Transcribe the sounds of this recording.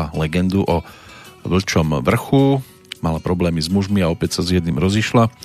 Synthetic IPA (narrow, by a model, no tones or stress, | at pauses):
alɛɡɛnd̪uʔɔʋl̩t͡ʃɔmʋr̩xu | malapɾɔblɛːmizmuʒmiaɔpɛcsazjɛd̪nimɾɔziʃla